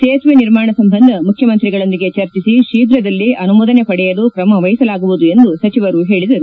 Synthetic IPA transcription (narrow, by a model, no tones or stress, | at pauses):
t̪eːsʋeniɾmaːɳɐsɐmbɐnd̪ʱɐmukʰjɐmɐnt̪ɾiɡɐɭo̞nd̪iɡe̞t͡ʃɐɾt͡ʃisiʃiːd̪ɾɐd̪ɐlːiʔɐnumuːd̪ɐnepɐɽɛjɐlukɾɐmɐʋɐjisɐlaːɡuʋud̪ue̞nd̪usɐt͡ʃiʋɐɾuɦe̞ːɭid̪ɐɾu